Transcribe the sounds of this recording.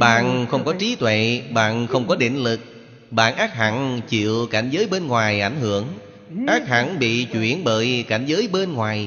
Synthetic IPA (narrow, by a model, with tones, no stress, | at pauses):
ɓa̰ː˧˨nxə˧wŋ͡mkɔ˨˦t͡ɕi˨˦t̪wḛ˧˨ɓa̰ː˧˨nxə˧wŋ͡mkɔ˨˦ɗḛ˧˨nlɨ˨˩k̚ | ɓa̰ː˧˨nʔaː˦˥k̚ha˧˩nt͡ɕḭ˧˨əwka˧˩jŋ̟zəː˨˦jɓe˧nŋwaː˨˩jʔa˧˩jŋ̟hɨ˧˨əŋ | ʔaː˦˥k̚ha˧˩nɓḭ˧˨t͡ɕwḭ˧˩ənɓəː˧˩jka˧˩jŋ̟zəː˨˦jɓe˧nŋwaː˨˩j